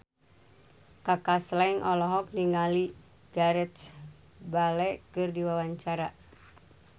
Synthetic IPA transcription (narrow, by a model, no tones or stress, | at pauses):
kakaslɛŋʔɔlɔɦɔk̚liŋali | ɡ̥aɾɛs | balɛkɨrdiwawaɲt͡ʃaɾa